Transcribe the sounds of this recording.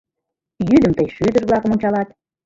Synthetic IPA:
jyd̪əmt̪əjʃyd̪ərβlɑkəmonʲt͡ɕɑlɑt̪

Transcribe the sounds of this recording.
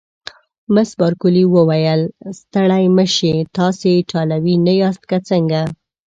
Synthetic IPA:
məsbɑɾkʊliwəwajəlst̪əɽajməʃet̪ɑseʈʰɑlawinajɑst̪̚kat͡səŋɡa

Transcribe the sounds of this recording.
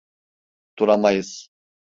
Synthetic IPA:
t̪ʰuɾamajɯz̥

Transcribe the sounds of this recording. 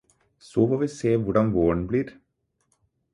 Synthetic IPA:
soːfoːʋiːseːʋʊɖɑnʋoːəɳbliːɾ

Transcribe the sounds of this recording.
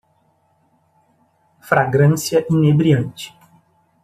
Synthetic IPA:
fɾaɡɾɐ̃sjɐʔinebɾiɐ̃nt͡ʃɪ̥

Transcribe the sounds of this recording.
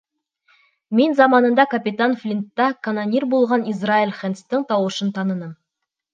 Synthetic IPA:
me̞nzɑmɑnənd̪ɑkʰapʲit̪anflʲint̪ːɑkʰanonʲiɾbo̞lˠʁɑnizrailʲχenst̪əɴt̪ʰɑwəʃənt̪ʰɑnənəm

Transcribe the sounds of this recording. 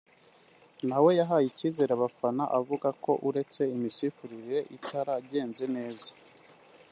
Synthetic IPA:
nawe̞jaɦaːjiciːze̞ɾaβafanaʔavuɡako̞ʔuɾe̞t͡se̞imisifuɾiɾiɾe̞ʔitaɾaɟe̞ːnze̞ne̞ːza

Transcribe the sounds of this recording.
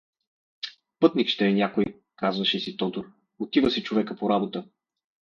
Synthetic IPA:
pɤt̪nikʃt̪ɛːnʲjakoj | kazvəʃɛsit̪ɔt̪oɾ | ot̪ivəsit͡ʃovɛkəpoɾabot̪ə

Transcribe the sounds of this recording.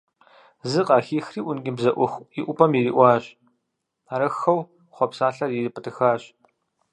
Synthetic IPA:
zɨqʼɑːxiːxriːʔʷʊnɡʲɪbzɐʔʷʊxʷiʔʷʊpʰɐmjiɾiːʔʷɑːɕ | aɾɐxɐw | χʷɔpsaːɬɐrjirɨpʰɨtʰɨxaːɕ

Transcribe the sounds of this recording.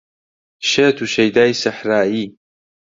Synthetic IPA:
ʃeːt̪ʰuʃɐjd̪aːjsɐħɾaːiː

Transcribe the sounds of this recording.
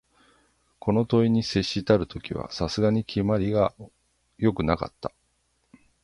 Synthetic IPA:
kʰo̞no̞t̪o̞iɲ̟ise̞ɕːit̪aɾɯ̟t̪o̞kʲiβa̰sasɨɡaɲ̟ikʲʰimaɾʲiɡa | jo̞kɯ̟naka̰t̪ːḁ

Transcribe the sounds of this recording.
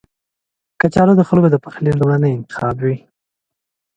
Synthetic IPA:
kat͡ʃɑɾod̪əxəlɡod̪əpaxlilumɽanəjɪnt̪ɪ̥xɑbwi

